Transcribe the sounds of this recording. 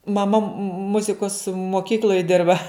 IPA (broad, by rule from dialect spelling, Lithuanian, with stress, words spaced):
mɐˈmɐ ˈmʊzʲɪkoːs moːˈkʲiːklʲoːj ˈdʲɪrbɐ